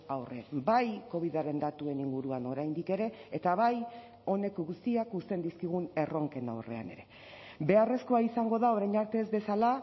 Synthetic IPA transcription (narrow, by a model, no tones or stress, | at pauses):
awre̞̰bajko̞β̞iðaɾe̞nd̪at̪ue̞niŋɡuɾuano̞ɾajnd̪ike̞ɾe̞ːt̪aβaj | o̞ne̞koɣust̪iakust̪e̞nd̪iskiɣ̞une̞ro̞ŋke̞na̰wre̞̰a̰ne̞̰ɾe̞ | be̞are̞sko̞aisaŋɡo̞ðao̞ɾajɲaɾt̪e̞zβe̞sala